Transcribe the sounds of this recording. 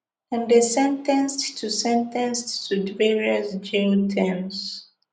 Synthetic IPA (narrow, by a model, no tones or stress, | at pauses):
ə̃ndesɛ̃ntɛ̃nstʰusɛ̃ntɛ̃nsːudvɛɹiəsd͡ʒitʰɛ̃ms